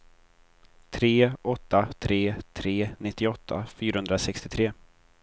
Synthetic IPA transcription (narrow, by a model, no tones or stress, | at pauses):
t̪ʰɾeːɔt̪ːat̪ʰɾeːt̪ʰɾeːnɪt̪ːɪɔt̪ʰːa̰fyːɾahɵnd̪ɾasɛkst̪ɪt̪ʰɾeː